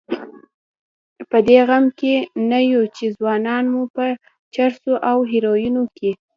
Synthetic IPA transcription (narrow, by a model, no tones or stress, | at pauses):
pəd̪eɣamkenajut͡ʃezwɑnɑnmupə | t͡ʃaɾsoʔawɦeɾojunoke